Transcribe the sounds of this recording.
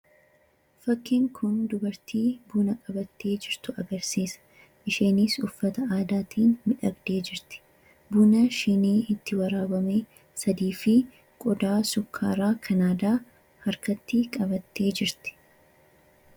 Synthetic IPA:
fɐkːɪːŋkʰʊnd̪ʊbɐɾt̪iːbuːnɐkʼɐbɐt̪ːe̞ːd͡ʒɪɾt̪ʊɐɡɐɾsiːsɐ̥ | ʔɪʃeːnɪsʊfːɐt̪ɐaːd̪aːt̪ʰiːnmɪᶑɐɡd̪e̞ːd͡ʒɪɾt̪ɪ̥ | buːnɐʃɪniːhɪt̪ːɪwɐɾaːbɐmeː | sɐd̪iːfɪ | kʼɔd̪aːsʊkʰːaːɾaːkʰɐnaːd̪aː | hɐɾkɐt̪ːiːkʼɐbɐt̪ːe̞ːd͡ʒɪɾt̪ɪ̥

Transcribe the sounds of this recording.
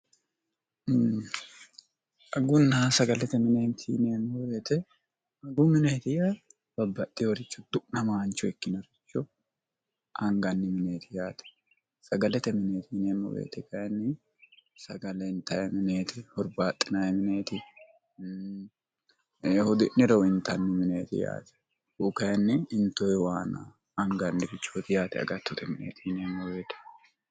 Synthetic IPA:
ʔɐɡʊnːaːsɐɡɐlɛt̪ɛmɪneːnt̪ʰiːneːmɔbeːt̪ɛ | ɐɡʊmɪneːt̪ɪja | b̥ɐbːɐt̪ʼːɪɔɾɪt͡ʃːɔd̪̥ʊʔnɐmaːnt͡ʃːɔɛkːɪnɐɾɪt͡ʃːɔ | ʔɐŋɡɐnːɪmɪneːt̪ʰɪjaːt̪ɛ̥ | sɐɡɐlɛt̪ɛmɪneːt̪ineːmɔ̰bḛːt̪ɛkɐjɛnːɪ | sɐɡɐlɛɪnt̪ːɐjɛmɪneːt̪ɪhɔɾbaːt̪ʼːɪnajɛmɪne̞ːt̪ɪ | eːhʊd̪ɪnɪɾɐwɪnt̪ɐnːɪmɪneːt̪ɪ̰ja̰ːt̪ɛ̥ | ʊkɐjɛnːɪɪnt̪ːɔɛwaːna̰ | ɐŋɡɐnːɪfɪt͡ʃːot̪ɪjaːt̪ɛɐ̰ɡɐt̪ːɔt̪ɛmɪnḛːt̪ʰineːmːɔbe̞ːt̪ɛ̥

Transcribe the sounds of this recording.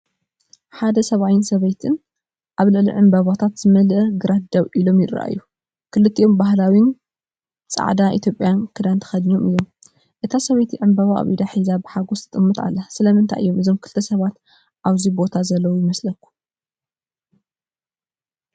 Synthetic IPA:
ħad̪ɐsɐβawɪnsɐβɐjt̪ʰɨn | ʔkʔaβlɨʕlḭʕɨmbɐβat̪ʰat̪z̥ɨmɐlɐɡɨɾat̪̚d̪ɐβʔilo̞mjɪɾa̰ʔa̰jːu | kʰɨlɨt̪ʰːiʔo̞mbaɦlawin | t͡sʼa̰ʕd̪aʔḭt̪ʰjo̞pʼːjankʰɨd̪ant̪ʰɐ̥xɐd̪ɲo̞mɨjːom | ʔɨt̪ʰasɐβɐjt̪ʰiʕɨmbɐβaʔβid̪aħizabɨħaɡost̪ʰɨt̪ʼɨmːɨt̪ʼa̰lːɐsɨlɐmɨnt̪ʰa̰jʔɨ̰jːo̞mɨzo̞mkʰɨlt̪ʰːɐsɐβat̪ | ʔaβzibo̞t̪ʰazɐlːɐwujɪmɐslɐkːu̥

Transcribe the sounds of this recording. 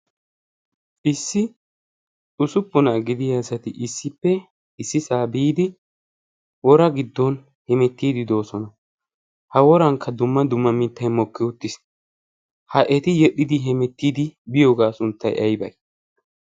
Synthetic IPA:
ʔɪsːɪ | ʊsʊpːʊnaɡɪd̪ɪjasɐt̪ɪʔɪsːɪpːɛ | ɪsːɪsaːbiːd̪ɪ | wɔɾɐɡɪd̪ːɔn | hɛmɛt̪ːiːd̪ɪd̪o̞ːsɔnɐ | hɐwɔɾɐŋkʰːɐd̪ʊmːɐd̪ʊmːɐmɪt̪ːɐjmɔkːɪʊt̪ːɪs | hɐʔɛt̪ɪjɛɗɪd̪ɪɦɛmɛt̪ːiːd̪ɪbɪjoːɡaːsʊnt̪ːɐjʔɐjbɐ̰j

